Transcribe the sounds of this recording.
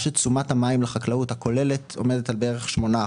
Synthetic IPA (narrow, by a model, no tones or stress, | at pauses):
ʃet͡sumathamaimleχaklauthako̞le̞le̞to̞̰me̞d̪etalbeeʁeχʃmo̞na